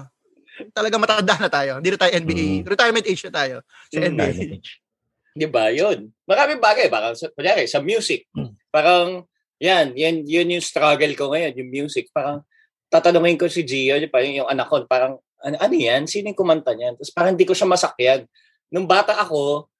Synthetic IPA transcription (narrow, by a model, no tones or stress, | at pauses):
t̪ɐlɐɡaŋmɐt̪aɐnd̪aʔanɐt̪aːjohɪnd̪inɐt̪ajoʔɛnbiʔɾɛt̪ajɹmɛnt̪ʔet͡ʃnɐt̪aːjo | sɐɛniʔeet͡ʃ | d̪ɪbajonmɐɾaːmɪŋbaːɡɐjba̰ːkɐŋsɐkʊnjaːɾɛsɐmjuːsɪk̚ | paːɾɐŋ | janjɐnjonjʊŋst̪ɾaɡɛlko̞ŋɐjo̞njʊŋmjuːsɪk̚paːɾɐŋ | t̪aːt̪ɐnoŋɪnkosɪd͡ʒiːjonpaɾŋjʊŋɐnɐkːonpaːɾɐŋ | ʔɐnoʔɐnojansiːnɪŋkʊmɐnt̪ɐɲjant̪ɐspaːɾɐŋɪnd̪ikoʃamɐsɐk̚jad̪̚ | nʊŋbaːt̪ɐʔɐko̞